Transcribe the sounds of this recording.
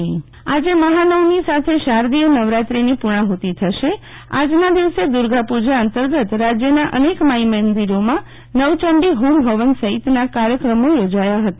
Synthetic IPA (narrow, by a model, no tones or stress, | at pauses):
ad͡ʒeməɦanəwnisat̪ʰeʃaɾd̪ijənəʋɾat̪ɾinipuɽ̃ãɦot̪it̪ʰəʃe | a̰d͡ʒnad̪iʋsed̪uɾɡʱapud͡ʒaːnt̪əɾɡət̪ɾad͡ʒjənaʔənekmaimənd̪iɾomã | nəʋt͡ʃəɳɖiɦumbʱəʋənsəɦit̪nakaɾjəkɾəmojod͡ʒajaɦət̪a